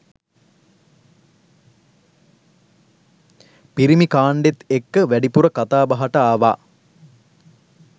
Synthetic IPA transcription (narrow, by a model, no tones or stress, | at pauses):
piɾimikaːɳɖet̪ekːəʋæɖipuɾəkat̪aːbɐɦaʈəaːʋaː